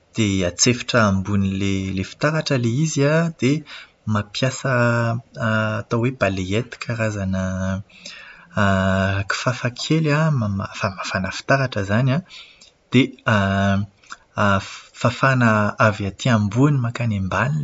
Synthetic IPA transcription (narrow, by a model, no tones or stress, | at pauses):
d̪̥eat͡sefiḁʈ͡ʂəambunilelefi̥t̪aɾaʈ͡ʂəleiziad̪̥e | mapjasə | t̪awebaleet̪i̥kʲaɾazanə | ki̥fafakʰelamamafamafanəfi̥t̪aɾaʈ͡ʂəzana | d̪̥ea | fafanəaviat̪ʰiambunimakanembanin